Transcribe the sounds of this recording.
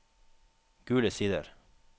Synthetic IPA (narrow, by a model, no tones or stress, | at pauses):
ɡ̥ʉːləsiːd̪ə̰ɾ